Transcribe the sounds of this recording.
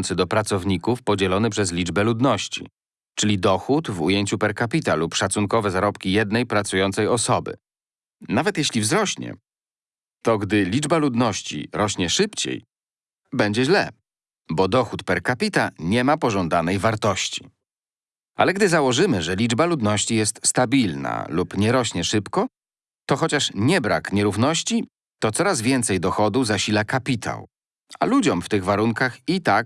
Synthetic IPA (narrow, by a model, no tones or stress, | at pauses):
nt̪sɘd̪ɔpɾat̪sɔvɲikufpɔd͡ʑɛlɔnɘpʂɛzlʲid͡ʐbɛlud̪nɔɕt͡ɕḭ | t͡ʂɘlʲid̪ɔxut̪vujeɲt͡ɕupɛɾkapʲit̪alupʂat̪suŋkɔvɛzaɾɔpkʲijɛd̪nɛjpɾat̪sujɔnt̪sɛjɔsɔbɘ̰ | navɛt̪jeɕlʲivzɾɔɕɲɛ̰ | t̪ɔɡd̪ɘlʲid͡ʐbalud̪nɔɕt͡ɕḭɾɔɕɲɛʂɘpt͡ɕḛj | bɛɲd͡ʑɛʑlɛ | bɔd̪ɔxut̪pɛɾkapʲit̪aɲɛmapɔʐɔnd̪anɛjvaɾt̪ɔɕt͡ɕi̥ | ʔa̰lɛɡd̪ɘzawɔʐɘmɘʐɛlʲid͡ʐbalud̪nɔɕt͡ɕijɛst̪st̪abʲilna̰lupɲɛɾɔɕɲɛʂɘpkɔ | t̪ɔxɔt͡ɕaʂɲɛbɾa̰kɲɛɾuvnɔɕt͡ɕi | t̪ɔt̪sɔɾazvʲjɛnt̪sɛjd̪ɔxɔd̪uzaɕilakapʲit̪ʰa̰w | a̰lud͡ʑɔmft̪ɘɣvaɾuŋkaxit̪ak̚